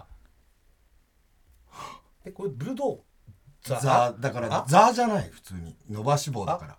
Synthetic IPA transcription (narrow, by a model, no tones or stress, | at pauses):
ekoɾebɯd̪o | d͡zad̪akaɾad͡zaːʑanaiɸɯ̟̥t͡sɨːɲ̟ino̞baɕibo̞ːd̪akaɾa̰